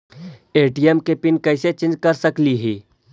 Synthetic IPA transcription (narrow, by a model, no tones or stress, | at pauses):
eːʈiemkepɪnkɐːset͡ʃɪ̃nd͡ʒkɐɾsɐkliɦɛː